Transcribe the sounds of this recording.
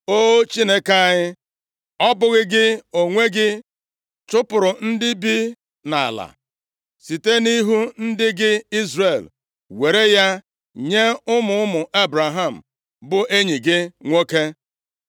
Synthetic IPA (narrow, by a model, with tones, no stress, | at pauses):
o˦t͡ʃi˦ne˦ka˦˨ɲɪ˦ | ɔ˦bʊ˦ɣɪ˦ɡɪ˦o˨ŋʷe˦ɡɪ˦ | t͡ʃʊ˦pʊ˨ɾʊ˨n̩˦dɪ˦bi˦ | na˨a̰˨la̰˨ | si˨te˦ni˦ɦu˦n̩˦dɪ˦ɡɪ˦i˦zre˨l | we˨ɾe˦ja˦ | ɲe˦ʊ˦mʊ˦ʊ˦mʊ˨ʔe˦bɾa˨ɦa˦˨m̩˨ | bʊ˨ʔe˦ɲi˨ɡɪ˦ŋʷo˦ke˦